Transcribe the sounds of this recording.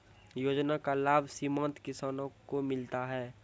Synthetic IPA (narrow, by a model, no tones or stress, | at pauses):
joːd͡ʒnakalaːbʱsimãnt̪kɪsaːnõkomɪlt̪aɦɛː